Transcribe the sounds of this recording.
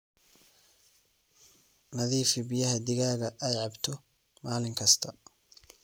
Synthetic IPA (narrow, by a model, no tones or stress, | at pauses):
mɐðiːfɪbɪjɐɦɐd̪ɪɣaːɣɐʔɛjʕɑbt̪ʰɔ | maːlɪŋkʰɐst̪ʰɐ